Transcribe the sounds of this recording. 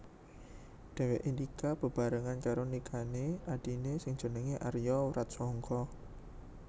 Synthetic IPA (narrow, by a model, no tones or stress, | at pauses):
d̪̥ɛ̤weʔind̪ikab̥ə̤b̥a̤ɾəŋankaɾonikʰaneʔaɖ̥inesɪŋd̥d͡ʒ̥o̤nəŋeʔarjɔuɾat̪̚sɔŋkʰɔ